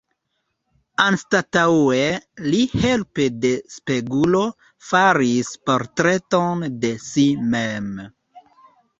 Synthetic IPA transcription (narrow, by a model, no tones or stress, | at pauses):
anstatawelihe̞lpede̞spe̞ɡulo̞ | faɾispo̞ɾtɾe̞to̞nde̞simem